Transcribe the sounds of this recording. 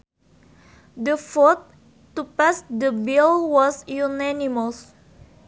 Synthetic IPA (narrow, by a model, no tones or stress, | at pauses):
dəfɔt̪̚ː | upasd̪əbilwɔsjunɛniməs